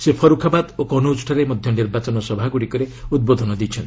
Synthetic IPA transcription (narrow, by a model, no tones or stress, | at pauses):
sepʰɔɾukʰabad̪okɔnout͡ʃʈʰaɾemɔd̪ʱjɔniɾbat͡ʃɔnɔsɔbʱaɡuɽikɔɾeud̪̚bod̪ʱɔnɔd̪it͡ʃʰɔnt̪i